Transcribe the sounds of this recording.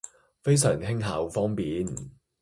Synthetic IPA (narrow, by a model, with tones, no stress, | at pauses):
fe˥js̬œː˨˩ŋhɪ˥ŋɦɐ̰ː˨˥wfɔː˥ŋpiː˨n